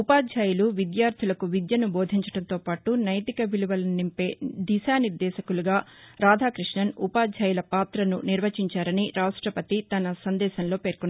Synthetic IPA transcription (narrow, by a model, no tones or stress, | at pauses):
upaːd̪ʱjaːjuluʋid̪jaːɾt̪ʰilɐkuʋid̪jɐnubo̞ːd̪ʱiɲt͡ʃɐ̥ɽɐnt̪oːpaːʈunɐjt̪ikɐʋiluʋɐlɐnimpe̞ːd̪iʃaːniɾd̪ɛːʃɐkuluɡaːɾaːd̪ʱaːkɾiʂɳɐnupaːd̪ʱjaːjulɐpaːt̪ɾɐnṵniɾʋɐt͡ʃiɲt͡ʃaːɾɐniɾaːʂʈɾɐpɐt̪it̪ɐnɐsɐnd̪ɛːʃɐnlo̞ːpe̞ːɾkunːa